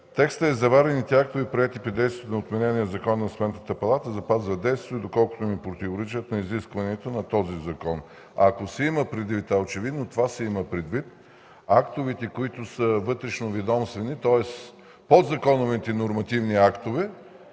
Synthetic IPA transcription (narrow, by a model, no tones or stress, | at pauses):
t̪ɛkst̪əɛzɐvaɾɛnit̪ɛak̚t̪ovipɾoɛt̪ipɾid̪ɛjst̪vʲiɛt̪ʊnot̪mɛnɛniəzɐkɔnnɐsmɛnnət̪əpɐlˠat̪əzɐpazvɐd̪ɛjst̪viɛd̪okɔlˠkʊ̥t̪omipɾot̪ivoɾɛt͡ʃiət̪nɐiziskvɐniɛt̪onɐt̪ɔzizɐkɔn | ɐkosɛiməpɾɛd̪vit̪aot͡ʃɛvid̪not̪ovasɛiməpɾɛd̪vit̪̚ | akt̪ʊvit̪ɛkoit̪ʊsəvɤt̪ɾɛʃnovid̪ɔmst̪vɛnit̪ɔɛs | pod̪zɐkɔnʊvt̪ɛnoɾmɐt̪ivniakt̪ovɛ